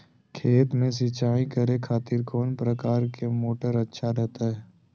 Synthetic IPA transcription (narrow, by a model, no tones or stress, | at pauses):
kʰeːt̪mẽs̬ɪt͡ʃaːĩkəɾekʰaːt̪ɪɾkɔːnpɾəkaːɾkemoːʈəɾɐtːʃʰaɾɛɦt̪aɦɛː